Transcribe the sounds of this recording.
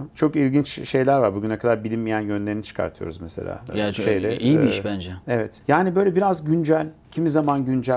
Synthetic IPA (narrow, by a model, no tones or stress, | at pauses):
t͡ʃʰo̞kilʲɟint͡ʃʃe̞jlʲæɾvaɾbuɟynakʰad̪aɾbilʲinmijænjønlʲe̞ɾinit͡ʃʰɯ̥kʰa̰ɾt̪ʰɯjo̰ɾuzmesḛlʲa̰ːʃejd̪ɛiiiʃbænd͡ʒɛevɛt̪jaːnibø̞ːjlʲɛbiɾazɟynd͡ʒælʲcʰimizamanɟynd͡ʒæ